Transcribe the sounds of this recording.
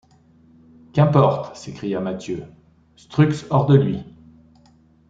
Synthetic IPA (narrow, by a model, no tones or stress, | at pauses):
kɛ̃pɔʁt̪sekχijamat̪jø | st̪χyksɔʁd̪əlɥi